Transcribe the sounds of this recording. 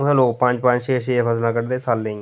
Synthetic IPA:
sãːloːkpə̃ɲd͡ʒpə̃ɲd͡ʒt͡ʃeːʃeːpʰəslãːkəɽd̪eːsalːəĩ

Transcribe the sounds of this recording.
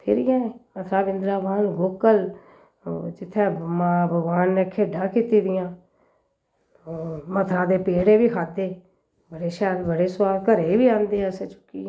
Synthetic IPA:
pʰɪɾɪjãːemət̪ʰɾaːbɪnd̪ɾaːʋaːnɡoːkəl | d͡ʒɪt̪ʰːɛ̃ːmabʱəɡʋaːnːeːkʰeːɖãːkiːt̪iːd̪ɪjãː | mət̪ʰɾãːd̪eːpeːɽeːʋiːkʰaːd̪eː | bəɽeːʃɛːlbəɽeːswaːlkəɾeːiːbiːãːnd̪eːɛset͡ʃʊ̥kːḭː

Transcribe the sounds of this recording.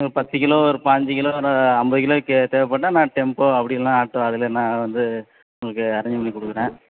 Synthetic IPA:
ɔɾɯpɐt̪ːɯkɪloːɔɾɯpaːɲd͡ʒɯkɪloːnɐmbɐðɯkɪloːɪkːɯt̪eːʋɛpːɐʈːãnãːʈɛmpoːɐpːɐɽɪlːãːaːʈːõɐðɪlenãːʋɐnd̪ɯ | ʊŋɡɐɭɯkːɯɐɾɐɲd͡ʒɐmɐɳːikʊɽɯkːɯɾẽː

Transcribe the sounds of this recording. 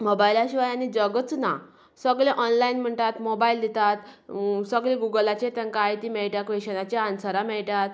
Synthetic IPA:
mobajlaɕiʋajañid͡ʑəɡət͡sna | səɡlẽʔɔnlainm̤əɳʈ̪at̪mobaild̪it̪at̪səɡlẽɡuɡəlat͡ɕet̪ə̃ŋkaːjt̪imɛɭʈakʋeɕənat͡ɕeãnsəɾamɛɭʈat̪

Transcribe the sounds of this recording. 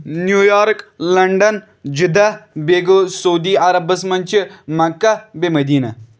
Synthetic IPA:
njuːjaːɾklɐɳɖɐn | d͡ʒid̪ɐbeɡosɐud̪iːɐɾɐbɐsmɐnʲt͡ʃʰimɐkːɐbemɐd̪iːnɐ

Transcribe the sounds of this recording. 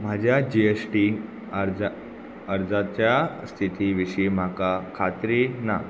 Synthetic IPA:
m̤ad͡ʑʱjad͡ʑiesʈi | ɾ | əɾd͡zat͡ɕjast̪ʰit̪iʋiɕim̤akakʰat̪ɾina̰

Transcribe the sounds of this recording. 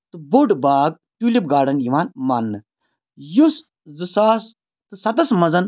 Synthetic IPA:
t̪ɨboɖbaːɡ̚ | t̪ulʲipɡaːɾɖɐnjiʋaːnmaːnːɨ | jus | zɨsaːs | t̪ɨsɐt̪ɐsmɐzɐn

